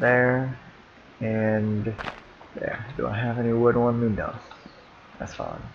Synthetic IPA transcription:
ðə˞ | ɨ̃n | jæ̰dɨ̰a̰ɪɨvɛniwʊd̚wʌ̃nlinʌ̰s | ɨ̰sfɑ̰̃n

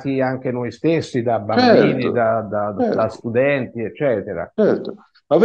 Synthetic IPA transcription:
t̪iaŋk̟enojst̪esːid̪abːambiːnid̪ad̪ad̪ast̪ud̪ɛnt̪iɛt͡ʃːɛːt̪eɾa̰t͡ʃɛɾt̪o | mav

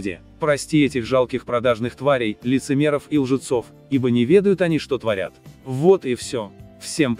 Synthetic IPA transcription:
dʲɪ̰ | pɾɐsʲtʲiɛtʲɪxʐalˠkʲɪxpɾɐd̪aʐnɨxt̪vaɾʲɪjlʲɪt̪sɨmʲe̞ɾəfilˠʐɨt̪so̞f | ibənʲɪvʲe̞d̪əjʊt̪ɐnʲiʂt̪ot̪vɐɾʲa̰t̪vo̞t̪ifsʲofsʲemp

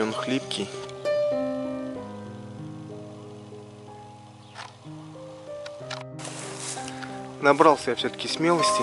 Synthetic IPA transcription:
onxlʲipkʲi | nɐbɾɑlˠsʲəjafsʲot̪ə̥kʲɪsmʲelˠəsʲtʲɪ

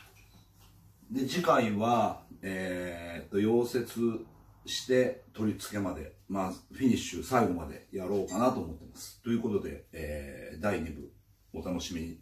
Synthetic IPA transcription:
d̪e̞d͡ʑikaiβaet̪ːo̞jo̞ːse̞t͡sɨ | ɕi̥t̪e̞t̪o̞ɾʲit͡sɨ̥ke̞mad̪e̞̰ | maɸʲiɲ̟iɕɨsaiɡo̞mad̪e̞̰jaɾo̞ːkanat̪o̞ːmo̞t̪ːe̞masɨ̥t̪o̞jɯ̟ːko̞t̪o̞d̪e̞̰eːd̪aiɲ̟ibɯ̟̰ | o̞t̪ano̞ɕimʲiɲi

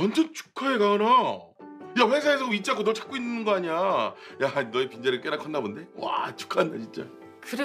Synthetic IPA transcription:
wand͡ʑʌnt͡ɕu̥kʰaeɡana | jaɸʰwes̬ʰaesʰʌit͡ɕ͈aŋkʰonʌɭt͡ɕʰḁk͈oinːɯnɡʌaɲajanʌepind͡ʑaɾɯɭk͈enakʰʌnːabonde̞wa̰t͡ɕu̥kʰanːat͡ɕʰint͡ɕ͈a̰ | kɯɾe

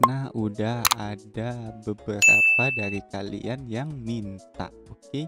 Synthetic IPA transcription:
naudahadabəbəɾa̰padaɾikalḭʔanjaŋmint̪a̰ | oke

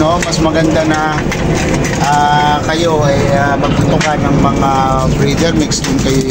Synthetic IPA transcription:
nomɐsmɐɡɐnd̪anɐ | ʔakɐjo̞ʔɐjamɐɡ̚t̪ʊt̪ʊkanɐŋmɐŋa | bɾid̪ɛɾmɪksd̪ʊnkɐj

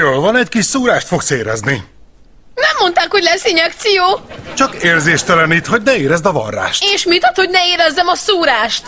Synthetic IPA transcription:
joːlvɒnɛckiʃsuːɾaːʃt̪fo̞kseːɾɛ̰zni | nɛmːo̞nt̪aːkho̞ɟlɛsiɲɛk̚t̪sijoːt͡ʃɒkeːrzeːʃt̪ɛlɛnit̪ho̞ɟnɛeːɾɛzd̪ɒvɒ̰rːa̰ːʃt̪eːʃmit̪ɒt̪ho̞ɟnɛeːɾɛzːɛmɒsuːɾaːʃt̪

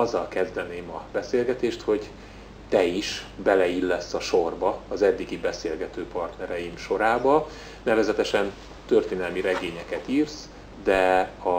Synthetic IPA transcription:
ɒzːɒlkɛzd̪ɛneːmɒbɛseːlɡɛt̪eːʃt̪ho̞ɟ | t̪ɛiʃbɛlɛilːɛsːɒʃorbɒːzɛd̪ːiɡibɛseːlɡɛt̪øːpɒrt̪nɛɾɛjimʃo̞ɾaːbɒ | nɛvɛzɛt̪ɛʃɛn | t̪ørt̪eːnɛlmiɾɛɡeːɲɛkɛt̪iːrs | d̪ɛɒ

